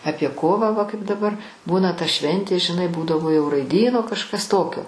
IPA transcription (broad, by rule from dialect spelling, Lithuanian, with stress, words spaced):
ˈɑːpʲiɛ ˈkoːʋɑː ʋɐ kɐɪp dɐˈbɐr ˈbuːnɐ tɐ ˈʃʲʋʲɛnʲtʲeː ʒʲɪˈnɐɪ ˈbuːdɐʋoː jɛʊ rɐɪˈdʲiːnoː kɐʃˈkɐs ˈtoːkʲoː